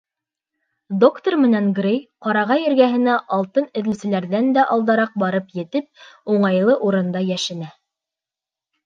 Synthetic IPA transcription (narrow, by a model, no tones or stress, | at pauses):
d̪o̞kt̪ormɘ̆næŋɡrejqɑɾɑʁɑjɘ̆ɾɡæɦɘ̆næʔɑlˠt̪ɤnɘ̆ðɘ̆lsɘ̆læɾðænd̪æʔɑlˠd̪ɑɾɑq̚bɑɾɤpjɘ̆t̪ɘp̚uɴɑjlˠɤʔuɾɤ̆nd̪ɑjæʃɘ̆næ